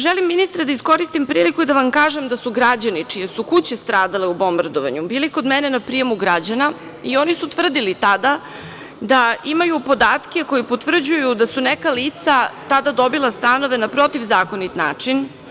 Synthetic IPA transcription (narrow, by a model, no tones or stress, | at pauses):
ʒelimːinist̪ɾad̪aisko̞ɾist̪impɾiːlikuid̪aʋamkaːʒe̞md̪asuɡɾad͡ʑanit͡ʂijesukut͡ɕest̪ɾaːd̪aleubo̞mbard̪oʋa̰ɲubiːliko̞d̪mɛnenapɾijemuɡɾad͡ʑana | io̞nisut̪ʋr̩d̪ilit̪ad̪a | d̪aimajupo̞d̪aːt̪kʲe̞ko̞jipo̞t̪ʋr̩d͡ʑujud̪asunekaliːt̪sat̪ad̪ad̪o̞bilˠast̪ano̞ʋe̞napɾo̞t̪iʋzaːko̞nit̪na̰ːt͡ʂin